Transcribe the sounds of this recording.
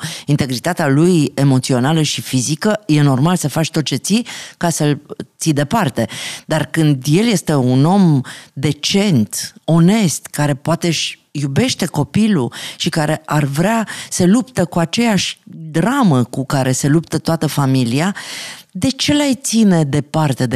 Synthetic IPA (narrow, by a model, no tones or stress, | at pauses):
int̪e̞ɡɾit̪at̪ealuje̞mo̞t̪sio̞naləʃifizikəje̞no̞rmalsəfat͡ʃʲt̪o̞t̪̚t͡ʃe̞t̪sikasəlt̪sid̪e̞part̪e̞d̪arkɨnd̪je̞lje̞st̪e̞uno̞md̪e̞t͡ʃe̞nt̪o̞ne̞st̪kaɾe̞poat̪eʃʲjube̞ʃt̪e̞ko̞piluʃikaɾe̞ʔarvɾeasəlupt̪əkuat͡ʃe̞jaʃʲd̪ɾaməkukaɾʔe̞se̞lupt̪ət̪oat̪əfamiliad̪e̞t͡ʃe̞lajt̪sine̞d̪e̞part̪e̞d̪e